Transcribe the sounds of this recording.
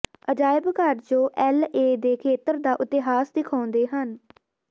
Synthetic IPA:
əd͡ʒaːɪbkəɾd͡ʒõːʔɛːleːd̪eːkʰeːt̪əɾd̪aːʔʊt̪eɦaːsd̪ɪkʰãːnd̪eːɦən

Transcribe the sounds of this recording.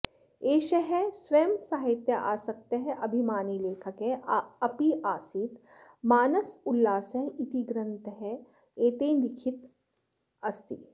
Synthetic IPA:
eːʃɐɦɛsʋeːmsaːɦɪt̪jɐʔa̰ːsɐk̚t̪eɦɛʔɐbʱimaːnileːkʰɐkɦɛɐpiʔaːsit̪ | maːnɐsʊlːaːsɐɦit̪iɡɾɐ̃nt̪ɦɛ | eːt̪eːndɪkʰɪt̪ | ɐst̪ḭ

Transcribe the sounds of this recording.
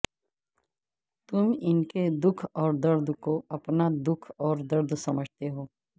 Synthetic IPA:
t̪ʊmɪnked̪ʊkʰɔːɾd̪ɐɾd̪ʱkoɐpnad̪ʊkʰɔːɾd̪ɐɾd̪ʱsɐməd͡ʒʱt̪eɦoː

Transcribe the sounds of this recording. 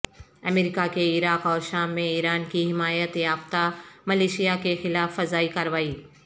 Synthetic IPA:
ɐmeːɾiːkakeɪːɾaːkɔːɾʃaːmːẽiːɾaːnkiɦɪmaːjət̪jaːft̪amɐleːʃijakexɪlaːfːɐzaːikaɾʋaːiː

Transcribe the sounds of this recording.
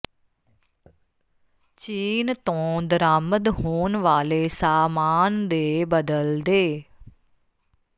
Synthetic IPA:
t͡ʃiːnt̪õːd̪əɾaːməd̪hoːnʋaːleːsaːmaːnd̪eːbəd̪əld̪eː

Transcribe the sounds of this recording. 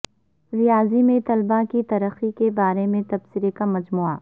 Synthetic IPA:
ɾɪjaːzimẽt̪ɐlbãkit̪ɐɾəxikebaːɾemẽt̪ɐbsɪɾekamɐd͡ʒmuːa̰

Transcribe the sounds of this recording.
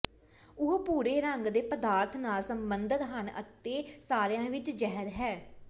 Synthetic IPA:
ʊɦpuːɾeːɾəŋɡd̪eːpəd̪aːɾt̪ʰnaːlsəmbənd̪ək̪ɦənə̰t̪ːeːsaːɾjãːʋɪt͡ʃd͡ʒɛɦəɾɦɛː

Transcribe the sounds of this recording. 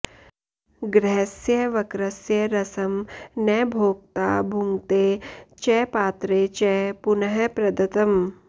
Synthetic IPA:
ɡɾɛɦɐsjɐʋɐkɾɐsjɐɾɐsɐmnɛːbʱoːk̚t̪aːbʱuŋɡt̪eːt͡ʃɛːpaːt̪ɾeːt͡ʃɛpunɐɦɐpɾɐd̪ɐt̪ɐm

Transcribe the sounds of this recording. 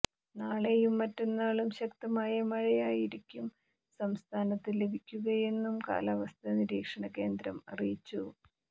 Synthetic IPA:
naːɭejumːɐtːenːaːɭumɕɐkt̪ɐmaːjɐmɐɻijaːjiɾikʲːum | sɐmst̪ʰaːnɐt̪ːile̞bʱikʲːuɣɐje̞nːumka̰ːlaːʋɐst̪ʰɐniɾiːkʂɐɳɐke̞ːnd̪ɾɐmɐ̰rijt͡ɕːu

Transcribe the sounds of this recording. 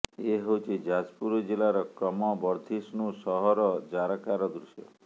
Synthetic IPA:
eɦewt͡ʃʰid͡ʒad͡ʒpuɾɔd͡ʒilaɾɔkɔmɔbɔɾd̪ʱisnusɔɦɔɾɔd͡ʒaɾakaɾɔd̪ɾusjɔ̰

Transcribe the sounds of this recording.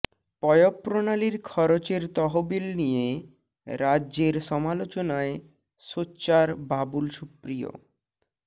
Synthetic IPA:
pɔjopːɾonaliɾkʰɔɾot͡ɕeɾt̪ɔɦobilnije | ɾadːʑeɾʃɔmalot͡ɕonae | ʃotːɕaɾbabulʃupɾijo̰

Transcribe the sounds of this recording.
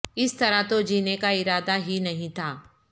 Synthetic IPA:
ɪst̪ɐɾat̪od͡ʒiːnekaɪɾaːd̪aɦinɐɦĩt̪ʰaː

